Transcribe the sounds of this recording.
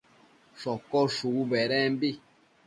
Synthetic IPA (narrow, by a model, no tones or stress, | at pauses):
ʃɔkɔʃuubɛɾɛmbi